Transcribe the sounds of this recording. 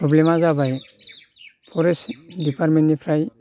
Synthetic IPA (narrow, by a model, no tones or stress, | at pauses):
pɾɔblemazabaj | pʰɔɾesdipʰaɾmenːipʰɾaj